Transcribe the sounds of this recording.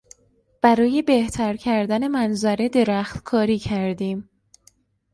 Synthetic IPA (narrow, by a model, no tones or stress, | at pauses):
b̥æɾɒːje̞be̞ht̪ʰæɾcʰæɾd̪æne̞mænzæɾe̞d̪e̞ɾæxt̪kʰɒːɾiːcʰæɾd̪iːm